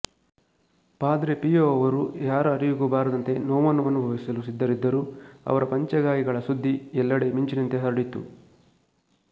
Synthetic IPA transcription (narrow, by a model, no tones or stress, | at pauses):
paːd̪ɾepijoɐʋɐɾujaːɾɐːɾijuɡubaːɾɐd̪ɐnt̪e̞noːmɐnuɐnːubʱɐʋisɐlusid̪ːɐɾid̪ːɐɾuɐ̰ʋɐɾɐpɐɲt͡ʃɐɡaːjiɡɐɭɐsud̪ʱːiɛlːɐɽe̞miɲt͡ʃinɐnt̪eɦɐɾɽit̪ːṵ